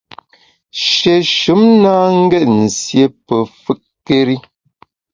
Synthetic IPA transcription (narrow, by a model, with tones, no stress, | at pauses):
ʃe˨ʃu˨˦mnaː˦ŋ̩˦ɡɛ˦ʔn̩˨sje˨pə˨fɨ˦ʔke˦ɾi˦